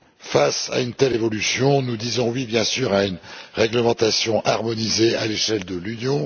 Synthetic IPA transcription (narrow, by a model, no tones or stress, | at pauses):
fasa̰ynt̪ɛlevɔlysjɔ̃nud̪izɔ̃wibjɛ̃syʁaynʁɛɡləmɑ̃t̪asjɔ̃ʔaʁmɔnizealeʃɛld̪əlynjɔ̃